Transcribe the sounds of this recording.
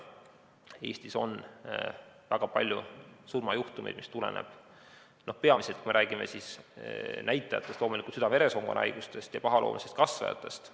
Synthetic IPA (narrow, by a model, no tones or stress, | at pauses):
e̞ːsʲt̪iso̞n | væɡ̥ɑpɑlʲjusurmɑjuht̪umejd̪̥̚mist̪ule̞̰nḛb̥ | nohpeɑmise̞lt̪kumeɾæːɡ̥ime̞sis | næjt̪ːˑɑjɑ̰t̪ːˑest̪loːmulikut̪syd̪ɑmeɾe̞so̞ŋɡ̥onɑ̰jɡ̥ust̪e̞st̪jɑpɑɦɑlʔoːmisest̪̚kɑsvɑ̰jɑ̰t̪ːˑe̞st̪